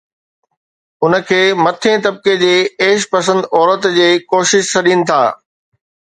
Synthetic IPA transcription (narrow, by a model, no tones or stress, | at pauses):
ʊnə̆kʰeːmɐt̪ʰẽt̪ɐb̚ked͡ʑeːeːʃpɐsə̃nd̪ɔːɾət̪d͡ʑeːkoːʃɪʃt͡ɕɐɗinɪ̆t̪ʰa̰ː